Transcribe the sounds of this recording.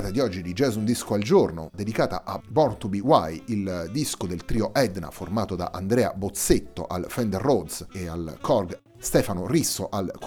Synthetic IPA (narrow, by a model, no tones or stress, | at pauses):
t̪ed̪iɔd͡ʒːid̪id͡ʒɛzund̪iskoald͡ʒorno̰d̪ːed̪ikaːt̪a̰ʔabɔrt̪ubiwajild̪iskod̪elt̪ɾiːoʔɛd̪na̰formaːt̪od̪a̰ʔand̪ɾɛːa̰bot̪set̪ːo̰ʔalfɛnd̪erːod̪sea̰lkʰɔrɡ | st̪ɛːfanorisːoʔalk